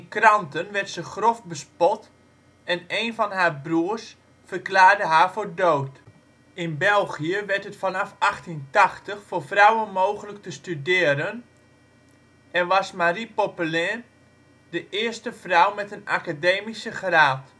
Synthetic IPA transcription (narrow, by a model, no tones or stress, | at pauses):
ɪnkrɑntənʋɛrtsəχrofbəspɔt | ɛnejnfɑnɦaːrbruərs | fərklaːrdəɦaːfoːrdowt | ɪnbɛlˠɣiəʋɛrtɦətfɑnɑfaxtintɑχtəχfʊːrfrawənmowχələk̚təstydɪːəɾən | ɛnʋɑsmaripopylɛːr | dəʔɪərstəfrɔwmɛtənakadeːmisəχraːt